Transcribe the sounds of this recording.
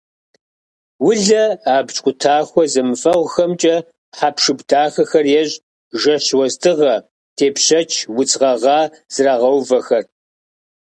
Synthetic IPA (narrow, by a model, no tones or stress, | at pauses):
wʊɮɐaːbt͡ʃʼqʷʼʊtʰaːxʷɔzɐmɨfɐʁʷxɐmt͡ʃʼɐ | ħapʂɨbtʰaːxɐxɐrjɛʑʼ | ʒɐɕwɐztʰɨʁɐ | tʰeːpɕɐt͡ʃʰwʊt͡sʼʁɐʁɑː | z̥ɨraːʁɐwvɐxɐr